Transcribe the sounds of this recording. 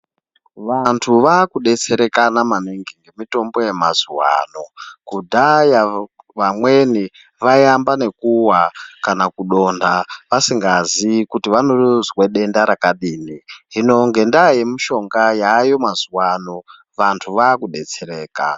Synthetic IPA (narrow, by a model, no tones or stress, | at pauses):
ʋantʰuʋakuɗe̞t͡se̞ɾe̞kanamaniŋɡiŋɡe̞mito̞mbo̞je̞mazuwa̰ːno̞kudʱaja | ʋamwe̞ni | ʋajambane̞kuwakanakuɗo̞ndaʋasiŋɡazikutiʋanozweɗe̞ndaɾakaɗiːniɦino̞ŋɡe̞ndaːje̞miʃo̞ŋɡajaːjo̞mazuwano̞ | ʋantʰuʋaːkuɗe̞t͡se̞ɾe̞ːka̰